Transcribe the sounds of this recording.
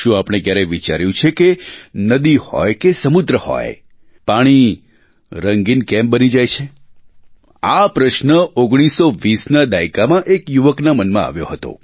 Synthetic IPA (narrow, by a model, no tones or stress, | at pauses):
ʃũapɽ̃ekjaɾeʋit͡ʃaɾjũt͡ʃʰekenəd̪ihɔ̰jkesəmud̪ɾəhɔ̰j | paɽ̃i | ɾəŋɡinkɛ̃mbənid͡ʒajt͡ʃʰe | apɾəʃnəoɡɽ̃isːoʋisnad̪aikamãʔekjuʋəknamənmãa̰ʋjo̰ɦət̪o̰